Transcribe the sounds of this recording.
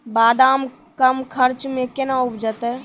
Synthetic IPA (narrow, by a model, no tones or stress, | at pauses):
baːd̪aːm | kəmkʰəɾt͡ʃmẽkenaupd͡ʒət̪ɛ